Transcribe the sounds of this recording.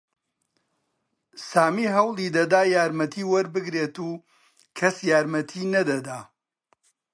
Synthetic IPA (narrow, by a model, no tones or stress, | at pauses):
saːmiːɦɐwlˠid̪ɐd̪aːjaːɾmɐt̪ʰiːwɐɾbɨɡɾeːt̪uː | kʰɐsjaːɾmɐt̪ʰiːnɐd̪ɐd̪aː